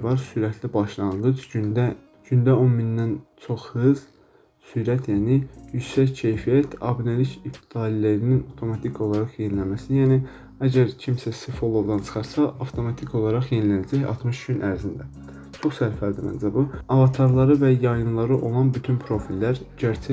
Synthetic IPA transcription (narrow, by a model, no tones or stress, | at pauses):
vɑɾsyɾæt̪ʰlibɑʃlˠɑnɡ̪ɯt͡ʃ̪æ | ɟ̥ynd̪æo̞nmind̪ænt͡ʃʰo̞χhɯz̥ | syɾæt̪ʰjæːnijyd͡ʒsæcʰe̞jfijæt̪ʰɑ̰binelicʰipt̪ʰid̪ɑlileɾininɑft̪ʰo̞mɑt̪ʰikʰo̞lˠɑɾɑχje̞nilæmæsijæːni | æɟæɾcʰimsæsifolˠod̪ɑnt͡ʃʰɯ̥χɑɾsɑʔɑft̪ʰo̞mɑt̪ʰikʰo̞lˠɑɾɑχje̞nilænæd͡ʒæçɑ̰t̪mɯʃɟynʔæɾzind̪æ | t͡ʃʰo̞χsæɾfæld̪imæ̰nzæbuɑvɑt̪ʰɑɾlˠɑɾɯvæjɑjɯnlˠɑɾɯʔo̞lˠɑnbyt̪ʰynpʰɾo̞filːæɾɟæɾt͡ʃʰæ